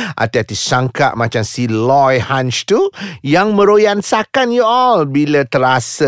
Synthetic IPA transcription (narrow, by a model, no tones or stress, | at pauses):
ʔa̰t̪iat̪isaŋka̰ʔmat͡ʃamsilɔjhãnt͡ʃt̪ujaŋmə̃ɾojansakanjuɔlbilət̪əɾasə